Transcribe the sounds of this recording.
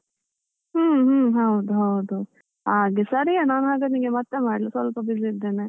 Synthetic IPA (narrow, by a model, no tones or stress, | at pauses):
ɦuːɦɦɐwd̪uɦɐwd̪u | aːɡesɐɾijanaːnɦaːɡeniːŋɡemɐt̪ːemaːɽlɐsʋɐlpɐbizid̪ːeːne